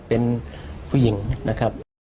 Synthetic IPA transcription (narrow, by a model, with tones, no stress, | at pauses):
pe˧npʰuː˧ji˨˩˦ŋna˦kʰa˦˥p̚